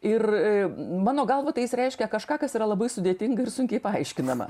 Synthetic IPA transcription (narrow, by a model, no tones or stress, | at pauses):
ɪr | mɑːnoːɡɐlˠʋoːt̪ɐɪjɪsɾʲɛɪʃʲkʲɛkɐʃkɑːkɐsiːɾɐlˠɐbɐɪsʊd̪ʲeːt̪ʲɪŋɡɐɪrsʊŋʲkʲɛɪpɐɐɪʃʲkʲɪnɐmɐ̰